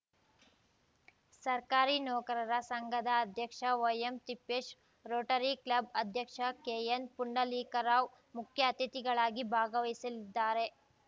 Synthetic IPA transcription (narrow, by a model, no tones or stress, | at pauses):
sɐɾkaːɾinɔːkɐɾɐɾɐsɐŋɡʱɐd̪ɐːd̪ʱjɐkʂɐʋɐjemt̪ipːeːʃ | ɾoːʈɐɾiklɐbɐd̪ʱjɐkʂɐkeːjɐnpuɳɖɐliːkɐɾaːw | mukʰjɐɐt̪it̪iɡɐɭaːɡibʱaːɡɐʋɐisɐlid̪ːaːɾe̞